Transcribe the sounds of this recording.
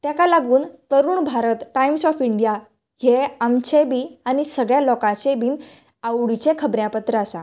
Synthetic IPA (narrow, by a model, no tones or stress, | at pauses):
t̪jakalaɡuːnt̪əɾuːɳbʱaɾət̪ʈaimsɔfiɳɖija | jeamt͡ɕebiːañisəɡɭjalɔkãt͡ɕebiːn | awɽit͡ɕekʰəbɾjãpət̪ɾəasa̰